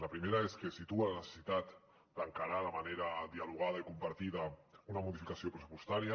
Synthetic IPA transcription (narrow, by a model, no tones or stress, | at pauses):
ləpɾimeɾaeskesit̪ualanəse̥sit̪at̪ | d̪̥əŋkaɾalamaneɾaðialuɣ̞aðaikumpaɾt̪iðəunəmuðifikasiopɾəsu̥pust̪aɾia